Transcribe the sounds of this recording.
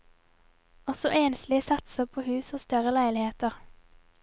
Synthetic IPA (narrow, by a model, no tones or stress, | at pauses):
ɔsɔʔeːnslɪsɑt̪səpʰoːhʉːsoːst̪œʁəlæɪlɪheːt̪əʁ